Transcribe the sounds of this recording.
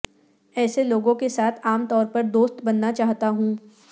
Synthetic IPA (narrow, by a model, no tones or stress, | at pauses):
ɛːseloːɡõkesaːt̪ʰaːmt̪ɔːɾpɐɾd̪oːst̪bɐnːat͡ʃaːɦt̪aɦũː